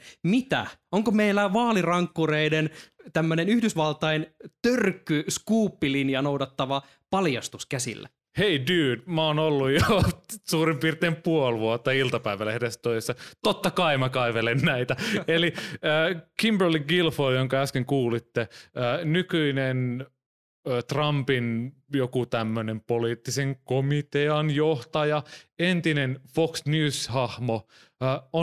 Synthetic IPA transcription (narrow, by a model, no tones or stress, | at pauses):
mit̪æ̰oŋkomeilːæʋɑːlirɑŋkːureident̪æmːønenyhdysʋɑlt̪ɑint̪ørkːˑyskuːpːilinjɑnowdɑt̪ːɑʋɑ | pɑljɑst̪uskæsḭlːæ̰ | heidyːdmæoːnolːujjosuːɾimpirt̪eːmpuolʋuot̪ːɑilt̪ɑpæiʋælːehedest̪oisesːɑt̪ot̪ːɑkɑimɑkɑiʋelennæit̪æeliəːkimbərliɡilfojoŋkɑæskeŋkuːlit̪ːeəːnykyinen | t̪rɑmpinjokut̪æmːønempoliːt̪ːiseŋkomit̪eɑnjoht̪ɑjɑent̪inenfoksnjʉːshɑhmoː | o